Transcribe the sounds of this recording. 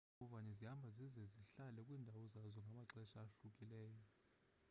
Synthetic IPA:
ɔvaɲɛzihambʱazizɛziɬalɛkʼwiːndʱawɔzazɔŋɡʱamaǁɛʃaːɬukʼilɛːjɔ

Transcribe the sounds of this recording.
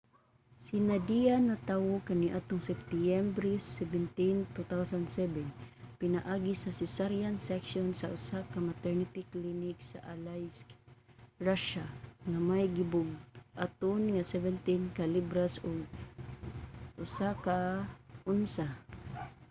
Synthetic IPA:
sinad̪ijanat̪awokaniʔat̪ʊŋsɛft̪iɛmbɾisɛbɛnt̪int̪ut̪awsand̪sɛbɛnpɪnaʔaːɡisasɛsaɾijansɛkʃonsaʔʊsakamat̪ɛɹnit̪ɪklinɪksa̰ʔalajsk | ɹaʃaŋamajɡibʊɡ̚ʔa̰t̪ʊnŋasɛvɛnt̪inkalibɾasʊɡ̚ | ʔʊsakaʔʊnsa

